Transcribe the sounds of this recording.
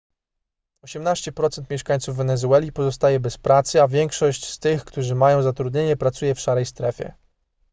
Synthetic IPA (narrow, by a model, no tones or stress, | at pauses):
ɔɕɛmnaɕt͡ɕɛpɾɔt̪sɛnt̪mjɛʂkaɲt̪suvːɛnɛzuɛlʲipɔzɔst̪ajɛbɛspɾat̪sɘavʲjɛŋkʂɔɕt͡ɕst̪ɘxkt̪uʐɘmajɔ̃w̃zat̪ɾud̪ɲeɲɛpɾat̪sujɛfʂaɾɛjst̪ɾɛfʲjɛ̰